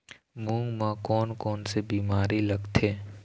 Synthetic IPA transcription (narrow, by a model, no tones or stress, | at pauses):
mũːŋɡmãkɔːnkɔːnsebiːmaːɾilɐɡt̪ʰeː